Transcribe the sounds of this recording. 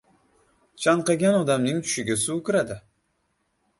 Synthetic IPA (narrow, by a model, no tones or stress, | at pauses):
t͡ʃʰɑɴqɑɡʲanɒd̪amnɪŋt̪ʰʊ̥ʃɪɡʲɪsuːkʲʊɾad̪ɪ